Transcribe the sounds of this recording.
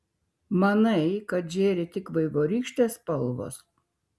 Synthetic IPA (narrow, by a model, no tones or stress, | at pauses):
mɐnɐɪkɐt̪ʒʲeːɾʲɪt̪ʲɪkʋɐɪʋoːɾʲiːkʃʲt̪ʲeːspɐlˠʋo̰ːs